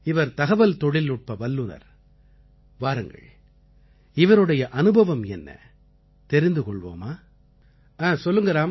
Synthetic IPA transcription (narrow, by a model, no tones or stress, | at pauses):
ɪʋɐɾt̪ɐɣɐʋɐlt̪ɔɽɪlʊʈ̚pɐʋɐlːɯnɐ̰ɾ | ʋaːɾɯŋɡɐ̰ɭ | ɪʋɐɾɯɽɐjɐʔɐnɯbɐʋɐmɛnːɐ̰ | t̪ɛɾɪnd̪ɯkɔɭʋo̰ːmaː | aːsɔlːɯŋɡɐɾaːm